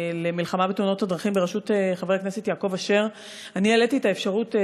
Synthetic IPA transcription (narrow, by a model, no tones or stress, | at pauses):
lemilχamabetuno̞thadʁaχimbeaʃutχaveknesetjaːko̞vaʃe̞ʁ | anieletietaefʃaʁut